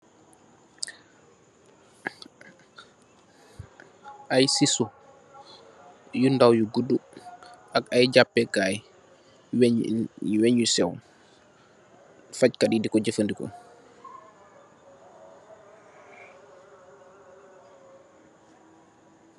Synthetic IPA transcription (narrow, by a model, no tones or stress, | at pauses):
ʔajsisu | jundawjuɡuduʔakajd͡ʒapːɛɡaj | w | wɛɲjusɛw | fackaɗidikɔɟəfəndikɔ̰